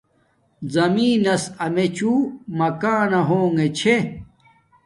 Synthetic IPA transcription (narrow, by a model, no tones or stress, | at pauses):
zɐmiːnɐsɐmet͡ɕumɐkaːnɐɦoːŋet͡ɕʰe